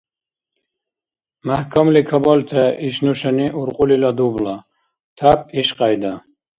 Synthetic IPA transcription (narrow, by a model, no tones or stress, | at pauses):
mahkʰɔmlikʰɐbɔlt̪ʰɐiʃnuʃaniʔuɾqʼulilad̪ubla | t̪ʰap̚iʃqajd̪a